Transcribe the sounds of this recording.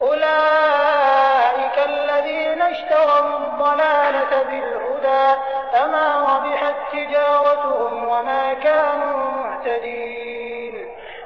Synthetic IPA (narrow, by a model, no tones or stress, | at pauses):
ʔʊlaː | ʔɪkaalːaðiːnaʃt̪aɾawd̪ˤːɑlaːlabɪlhʊd̪aːfamaːɾɑbɪħat̪ːɪd͡ʒaːɾˤɑt̪ʊhʊmwamaːkaːnuːmʊʕt̪ad̪iː | n